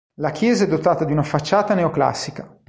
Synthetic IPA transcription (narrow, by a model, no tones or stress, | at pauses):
lakjɛːzaɛd̪ːot̪aːt̪ad̪iunafat͡ʃːaːt̪aneokla̰sːika